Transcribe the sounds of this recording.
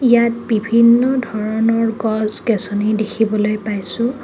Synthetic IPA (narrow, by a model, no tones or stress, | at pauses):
ijat̚bibʱinːɔdʱɔɹɔnɔɹɡɔzkesɔnidekʰibɔlojpajsʊ̃